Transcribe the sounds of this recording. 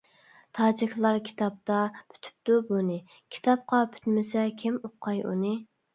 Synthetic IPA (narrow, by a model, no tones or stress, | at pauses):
t̪ʰɑːd͡ʒikʲʰlˠɑɾkʲʰi̥t̪ʰɑp̚t̪ɑpʰy̥t̪ʰy̥p̚d̪ubunɨ | kʲʰi̥t̪ʰɑp̚qɑpʰy̥t̪mɪsɛkʲʰimoqʰːɑjṵnɨ